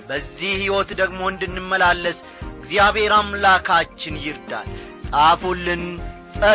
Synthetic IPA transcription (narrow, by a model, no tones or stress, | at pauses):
bəzːihhiwɔt̪d̪əɡmo̞ɨnd̪ɨnːɨmːəlalːəs | ɨɡzjaβhe̞ɾamlakʰat͡ʃːɪnjɪɾd̪a̰l | sʼafolːɨnsʼə